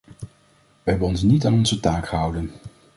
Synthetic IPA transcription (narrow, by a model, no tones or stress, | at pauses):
ʋəɦɛbənɔnsnitaːnɔnzətaːkχəɦʌwdən